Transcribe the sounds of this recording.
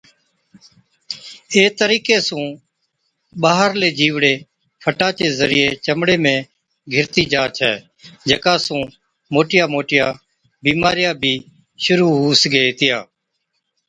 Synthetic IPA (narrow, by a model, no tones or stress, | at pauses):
eːt̪əɾiːkeːsũː | ɓaːɦəɾleːd͡ʒiːʋɽeː | pʰəʈaːt͡ʃeːzəɾɪjeːt͡ʃəmɽeːmẽː | ɡʱɪɾt̪iːd͡ʒaːt͡ʃʰɛ̰ː | d͡ʒeːkaːsũː | moːʈɪjaːmoːʈɪjaː | biːmaːɾɪjaːbʱiː | ʃʊɾuːɦuːsɡəeːt̪ɪjaː